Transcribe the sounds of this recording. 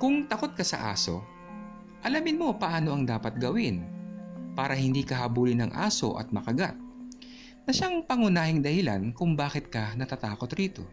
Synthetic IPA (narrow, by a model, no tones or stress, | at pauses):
kʊŋt̪ɐko̞t̪̚kɐsɐ̰ʔa̰ːso̞̰ | ʔɐlɐmɪnmo̞pɐʔaːno̞ʔɐŋd̪aːpɐt̪̚ɡɐwɪn | paːɾɐhɪnd̪iːkɐɦɐbuːlɪnɐŋʔa̰ːso̞̰ʔɐ̰t̪̚mɐkɐɡat̪̚ | nɐʃaŋpɐŋʊnaːhɪŋd̪ɐhɪla̰nkʊŋbaːkɪt̪̚kɐnɐt̪aːt̪aːko̞t̪ɾiːt̪o̞̰